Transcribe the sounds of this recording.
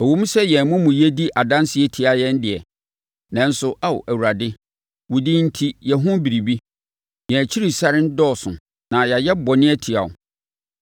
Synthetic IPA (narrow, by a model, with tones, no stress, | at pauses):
ɔ˨wu˦m˦sɛ˦jɛ̃˨mʊ̃˦mũ˨jɛ˦di˦ʔa˨dã˦n˦sɪ˦ɛ˦tʰi˨a˨jɛ̃˦n˦dɪ˨ɛ˨ | nã˨n̩˦sʊ˨ʔa˨w̰ʔæ˨wu˨ɾa˨dɪ˦ | wʊ˨di˦n̩˦tʰi˦jɛ˨ɦʊ̃˦bi˨ɾi˨bi˦ | jɛ̃˨t͡ɕʰi˦ɾi˨sa˦ɾɪ˦n̩˦dɔː˦˨sʊ̰̃˨ | nã˨ja˨jɛ˦bɔ˨nɪ̃˦ɛ˦tʰi˨a̰˨ʊ̰˨